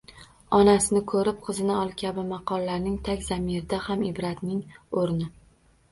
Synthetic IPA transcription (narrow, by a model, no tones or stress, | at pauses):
ɒnasɪnɪkʰɵɾɪp̚qʰɨzɪnɪɒlˠkʲʰabɪmɑqʰɒlːaɾnɪŋt̪ʰakʲzamɪɾɪd̪ahamɪbɾat̪nɪŋoɾnɪ